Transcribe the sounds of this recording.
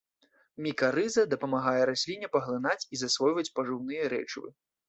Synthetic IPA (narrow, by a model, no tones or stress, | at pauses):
mʲikɐɾɨzɐd̪ɐpɐmaɣajɛɾasʲlʲinʲɛpɐɣlˠɨn̪at͡sʲizasvɔjvɐt͡sʲpɐʐɨwnɨjɐɾɛ̰t͡ʂvɨ̰